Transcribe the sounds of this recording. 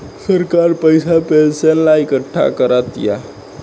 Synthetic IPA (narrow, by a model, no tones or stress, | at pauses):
səɾkaɾpəjsapelsenlaikəʈʰːa̰kəɾat̪ja̰